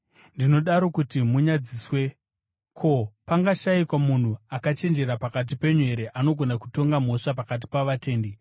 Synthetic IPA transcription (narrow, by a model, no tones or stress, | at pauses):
ndino̞ɗaɾo̞kutimuɲad͡ziːswe̞ | kʰo̞paŋɡaʃaikwamun̤uakat͡ʃe̞nd͡ʒe̞ɾapakat̬ipe̞ɲwe̞ɾeʔano̞ɡʱo̞naku̥to̞ŋɡamo̞ʂapakat̬i̥paʋate̞ːnde